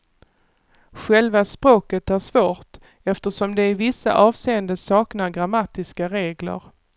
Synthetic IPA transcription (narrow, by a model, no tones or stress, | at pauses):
ɧɛlvaspɾoːkət̪æʂvoːʈ | ɛft̪əʂɔmd̪ɛɪvɪsːa̰ʔɑːvseːənd̪əsɑːknaɾɡɾamːat̪ɪskaɾeːɡlə̰ɾ